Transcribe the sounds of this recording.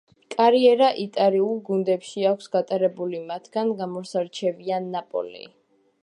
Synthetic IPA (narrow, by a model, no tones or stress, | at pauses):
kʼaɾiɛɾaʔit̪ʼaɾiulˠɡund̪ɛpʃiakʷʰsɡ̥at̪ʼaɾɛbulimat̪ʰɡ̥anɡamɔɾsaɾt͡ʃʰɛvianːapʼɔ̰lḭ